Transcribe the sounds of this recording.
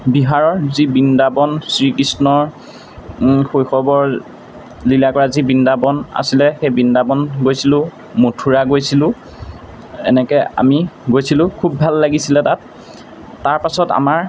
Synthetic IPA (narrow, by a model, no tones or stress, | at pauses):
biɦaɹɔɹzibindabɔnsɹikɹisnɔɹ | xojxɔbɔɹ | lilakɔɹazibindabɔna̰silɛxejbindabɔnɡojsilʊ̃ | motʰuɹaɡojsilʊ̃ | ɛ̰nɛkɛa̰miɡojsilʊ̃kʰubːʱalːaɡisilɛtat̚ː | aɹpasɔta̰maɹ